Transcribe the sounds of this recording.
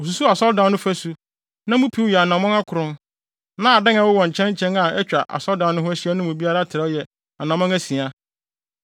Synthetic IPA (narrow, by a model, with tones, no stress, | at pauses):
o˨s̬u˨˦su˦a˨sɔ˦dã˨˦n˦nʊ̃˦fæ˦su˦ | nã˦mũ˦pʰi˨˦wjɛ˨a˨nã˨mɔ̃˦ŋa˦kʰʊ˨ɾʊ̃˦n | nã˦a˨dɪ˦ŋa˨˦wʊ˦wɔ̃˨ɲ̩˨t͡ɕʰɛ̃˦ɲ˦t͡ɕʰɛ̃˦na˨ɛ˦t͡ɕᶣa˨ʔa̰˨sɔ˦ldã˨n˦nʊ̃˦hʊ˦æ˦ɕi˦æ˦nʊ̃˦mũ˨bi˦a˦ɾa˦tʰɪ˨ɾɛ˦jɛ˨ | a˨nã˨mɔ̃˦ŋæ˦sĩ˨a˦